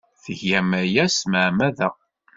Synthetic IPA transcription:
θəʝæmæjæsməʕmæðæ

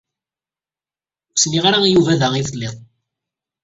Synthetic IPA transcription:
sniʁaɾaijuvæðæiθəlːeðˤ

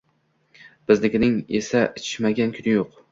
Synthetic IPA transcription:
b̥ɪzlɪkʲnɪŋesaʔɪt͡ʃʰɪ̥ʃmaɡʲankʲʰʊnɪjoq

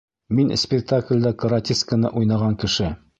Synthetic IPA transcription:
minsʲpʲɪk̚t̪aklʲd̪ɑkə̆ɾatʲiskənɤ̰ʔujnɑʁɑŋkɘ̆ʃɘ

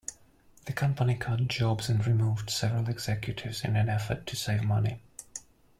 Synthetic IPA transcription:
ðəkʰʌ̃mpənikʰɑd̚d͡ʒɒbz̥ə̃nɹɪmuːvd̥sɛvəɹəlˠɪɡz̥ɛkʰjɨtʰɪvz̥ɪ̰̃nə̃nɛfətʰəseɪvmʌni

